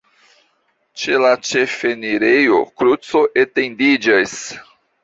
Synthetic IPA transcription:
t͡ʃe̞lat͡ʃe̞fe̞niɾejo̞̰kɾut͡so̞ʔete̞ndid͡ʒas

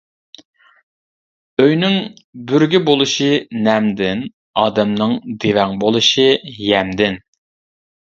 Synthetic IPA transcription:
øjnɪŋ | byɾɡʲibolˠuʃinɛmd̪ɪn | ɑːd̪ɛmnɨŋd̪evɛŋbolˠɨʃijɛmd̪ɪn

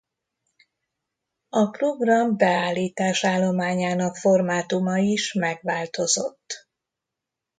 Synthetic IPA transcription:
ɒpro̞ɡrɒmbɛaːlːiːt̪aːʃaːlːo̞maːɲaːnɒkfo̞rmaːt̪umɒiʃmɛɡʋaːlt̪o̞zo̞t̪ː

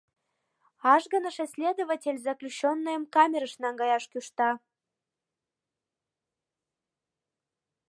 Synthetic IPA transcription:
ɑʒɡənəʃesʲlʲed̪ovatʲelʲzɑklʲut͡ɕːonːəjəmkɑmʲeɾəʃnɑŋɡɑjɑʃkyʃt̪ɑ

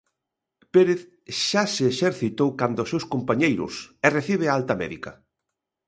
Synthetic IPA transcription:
peɾeθ | ʃaseːʃeɾθit̪owkand̪ʊsewskompaɲejɾʊ̰sɛreθiβ̞ɪalt̪ɐmɛ̰ðikɐ

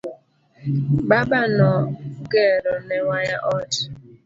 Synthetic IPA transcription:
babanɔɡeɾʊneŋʷaɲaʔɔd͡ʒɪ

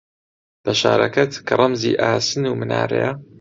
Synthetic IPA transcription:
b̥ɐʃaːɾɐkɐt̪kʰɐɾˤɐmziːʔaːsɨnuːmɨnaːɾḛjɐ

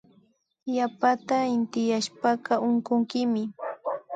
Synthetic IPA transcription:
japat̪aɪnt̪ɪjaʃpakɑʔʊɴkʊŋkɪmɪ

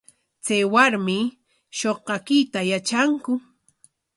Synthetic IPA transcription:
t͡sajwaɾmɪ | ʃoqɑkɪt̪ajat͡ʃaŋkʊ

